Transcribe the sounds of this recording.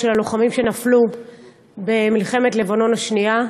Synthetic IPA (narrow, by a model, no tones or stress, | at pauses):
elaloχamimʃenaflu | bemilχe̞me̞tle̞vano̞naʃnia